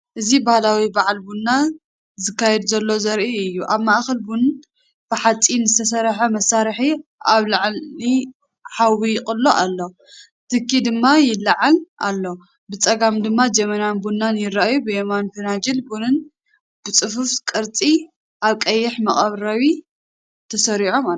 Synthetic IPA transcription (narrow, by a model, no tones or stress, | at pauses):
ʔɨzibahlawibaʕlbunːa | zɨkːajɛd̪uzɐlːo̞zɐɾʔiɨjːuʔaβmaʔxɐlbunɨn | b̥ɨħat͡sʼinzɨt̪ʰɐsɐɾħɐmɐsaɾħiaβlaʕli | ħawijɪkʼɨlːoʔalːo̞ | t̪ʰɨkʰːid̪ɨmːajɪlːɐʕalʔalːo̞ | bɨt͡sʼɐɡamd̪ɨmːad͡ʒɐmɐnanbunːanjɪɾaajubɨjemanfɨnad͡ʒɪlbunɨn | b̥ɨt͡sʼɨfufkʼɨɾt͡sʼi | ʔaβkʼɐjːɪħmɐχʼɐβɾawi | t̪ʰɐsɐɾiʕo̞ma